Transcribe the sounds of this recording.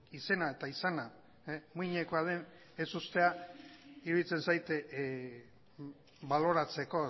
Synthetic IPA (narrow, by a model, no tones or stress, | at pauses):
ise̞nae̞t̪aisana | muiɲeko̞aðe̞n | e̞sust̪e̞a | iɾuðit͡se̞nsajt̪ | balo̞ɾat͡se̞ko̞